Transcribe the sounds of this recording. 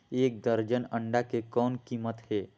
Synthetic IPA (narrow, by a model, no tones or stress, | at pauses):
eːk̚d̪əɾd͡ʒənə̃ɳɖakekɔːnkiːmət̪ɦeː